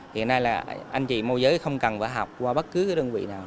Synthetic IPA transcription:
hḭ˧˨ənːaː˧jlaː˨˩ʔa˧jŋ̟t͡ɕḭ˧˨mo˧jzəː˨˦jxə˧wŋ͡mkə˨˩nva̰ː˧˩˦ɦa˨˩wk͡p̚kwaː˧ɓə˦˥t̚kɨ˨˦ka˨˦ɗə˧nvḭ˧˨naː˨˩w

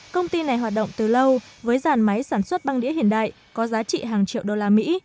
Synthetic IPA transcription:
kə˧wŋ͡mt̪i˧na˨˩jɦwaː˨˩t̚ɗə̰˧˨wŋ͡mt̪ɨ˨˩lə˧wvəː˨˦jzaː˧˩nma˨˦jsaː˧˩nswə˦˥t̚ɓa˧ŋɗḭ˧˥əhḭ˧˩ənɗa̰ː˧˨j | kɔ˨˦zaː˨˦t͡ɕḭ˧˨ɦaː˨˩ŋt͡ɕḭ˧˨əwɗo˧laː˧mḭ˧˥

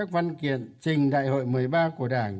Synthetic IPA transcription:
a˦˥k̚va˧nkḭ˧˨ənt͡ɕï˨˩ŋ̟ɗa̰ː˧˨jho̰˧˨jmɨ˨˩əjɓaː˧ku˧˩əɗaː˧˩ŋ

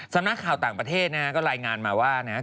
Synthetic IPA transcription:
sa˧mna˦˥kʰaː˨˩wt̪aː˨˩ŋpɾa˧t̪ʰeː˥˩t̪̚na˦˥a˦˥kɔː˥˩ɾaː˧jŋaː˧nmaː˧waː˥˩na˦˥

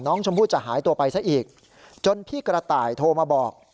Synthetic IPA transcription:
nɔː˦˥ŋt͡ɕʰo˧mpʰuː˥˩t̚t͡ɕa˨˩ɦaː˩˦jt̪u˧ɐpa˧jsa˦˥ʔiː˨˩k̚ | t͡ɕo˧npʰiː˥˩kɾa˧t̪aː˨˩jt̪ʰoː˧maː˧bɔː˨˩k̚

